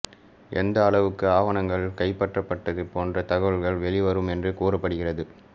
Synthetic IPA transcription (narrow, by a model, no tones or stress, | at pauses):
ʔɛnd̪ɐːɭɐʋɯkːɯaːʋɐnɐŋɡɐɭkɐɪpːɐʈrɐpːɐʈːɐðɯpoːndrɐt̪ɐɣɐʋɐɭɣɐɭʋɛɭɪʋɐɾɯmɛndrɯkuːrɐpːɐɽɯɣɪrɐðɯ